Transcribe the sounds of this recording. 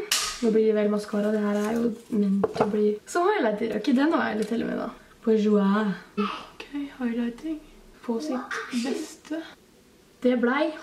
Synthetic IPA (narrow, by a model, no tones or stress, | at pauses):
d̪ɔblɪɾɛʋɛlmɑskʰɑːɾɑɔd̪ɛhæːɾæɾjʊmʏnt̪ɾɔbliːsɔmhɑɪlæɪt̪ɪlɛ̰ɪkːəd̪ɛnoːæ̰lɪt̪ʰːɪlːə̰mɛ̰d̪ɑ̰ | pʰɔɛʒʉæ | kʰɛɪhɑɪlaɪt̪ʰɪŋfʰɔsɪt̪bɛst̪ə | d̪̥ɛblæɪ